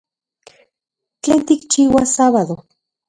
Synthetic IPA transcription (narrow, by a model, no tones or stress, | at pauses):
t͡ɬeːnt̪ikt͡ʃiːwasaβaðo